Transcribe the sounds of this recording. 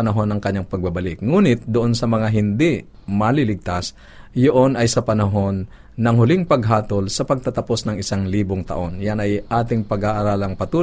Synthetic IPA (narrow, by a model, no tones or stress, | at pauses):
ɐnɐɦo̞nːɐŋkɐɲːaŋpɐɡ̚bɐbɐlɪk̚ŋuːnɪt̪̚d̪ʊʔo̞nsɐmɐŋaɦɪnd̪ɪʔ | mɐlɪlɪɡ̚t̪as | joʔo̞nʔɐjsɐpɐnɐɦo̞nː | ɐŋɦʊlɪŋpɐɡɦaːt̪olsɐpɐɡ̚t̪at̪ɐpo̞snɐŋʔɪsaŋliːboŋt̪ɐ̰ʔo̞njanɐjʔaːt̪ɪŋpɐɡaʔaɾaːlɐŋpɐt̪uː